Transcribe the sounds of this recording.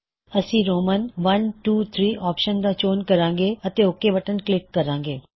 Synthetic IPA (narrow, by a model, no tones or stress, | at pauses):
əsĩːɾoːmənʋɐnʈuːt̪ʰɾiːʔɔːpʃənd̪aːt͡ʃoːnkɐɾãːŋɡeːɐt̪eʊkːeʋɐʈənklɪkːɐɾãːŋɡeː